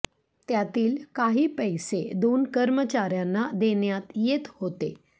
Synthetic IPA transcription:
t̪jat̪iːlkaɦiːpəjsed̪onkəɾmət͡ɕaɾjanːad̪eɳjat̪jet̪hot̪e

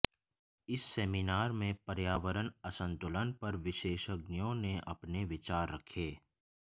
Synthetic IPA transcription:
ɪsːeːminaːɾmẽpɐɾjaːʋəɾənɐsə̃nt̪ʊlənpɐɾʋɪʃeːʃəɡnijõneʔɐpneʋɪt͡ʃaːɾːɐkʰeː

